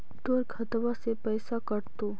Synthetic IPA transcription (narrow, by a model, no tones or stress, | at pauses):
d̪oɾɡʰʱət̪ʋasepəjsakəɾt̪o